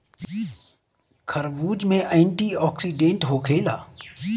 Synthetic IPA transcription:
kʰəɾʋuːd͡ʒmẽʔəɪɳʈiːɔːksiːɖẽːɳʈɦoːkʰeːlaː

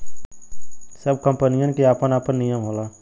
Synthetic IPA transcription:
səb̚kəmpənijənkiaːpənaːpənːijəmɦolaː

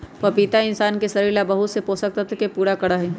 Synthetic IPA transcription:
pɐpit̪aɪnsaːnkesɐɾiːlabɐɦʊt̪sepoːsək̚t̪ət̪kepuːɾakɐɽaɦɛː

